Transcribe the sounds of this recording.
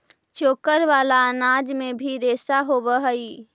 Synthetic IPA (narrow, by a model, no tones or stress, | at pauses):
t͡ʃoːkəɾʋaːlaənaːd͡ʒmẽbʱiɾeːsaɦobəɦəi